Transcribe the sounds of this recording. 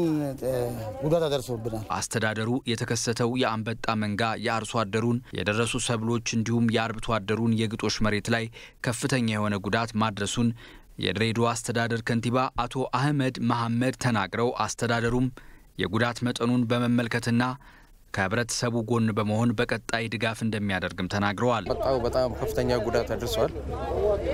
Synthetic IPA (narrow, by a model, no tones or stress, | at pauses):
ɡud̪at̪ad̪əɾsəwbɨnala̰st̪ʰəd̪ad̪əɾujɛt̪ʰəkʰəsːət̪ʰəwjɛambət̪ʼːaməŋɡajɛaɾswad̪ːəɾunjɛ̰d̪ərːəsusəβlo̞t͡ʃːɨnd̪ihumjɛaɾbt̪ʰwad̪ːəɾunjɛɡɨt̪ʼo̞ʃməɾe̞t̪laj | kʰəfːɨt̪ʰəɲːajɛho̞nəɡud̪at̪mad̪ɾəsun | jɛ̰d̪ɾed̪oast̪ʰəd̪ad̪əɾkʰənt̪iβaʔat̪ʰo̞ʔahməd̪məɦamːəd̪t̪ʰənaɡɾəwʔast̪ʰəd̪ad̪əɾum | jɛ̰ɡud̪at̪mət̪ʼənunbəməmːəlkʰət̪ɨnːa | kʰəhɨβɾət̪ʰə̥səβuɡo̞nːbəməho̞nbəkʼət̪ʼːajd̪ɨɡafɨnd̪əmːijad̪əɾɡɨmt̪ʰənaɡɾəwalət̪ʼːabət̪ʼamkʰəfːɨt̪ʰəɲːaɡud̪at̪ad̪ɾsəwal